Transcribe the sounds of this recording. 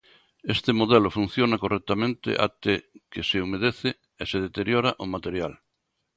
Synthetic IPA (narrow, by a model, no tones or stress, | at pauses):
est̪emoðɛlofun̟θjonakorɛk̚t̪amẽnt̪ɪ̰ʔa̰t̪ekeseomeð̞eθɪ | eseð̞et̪eɾjoɾaʔomat̪eɾjal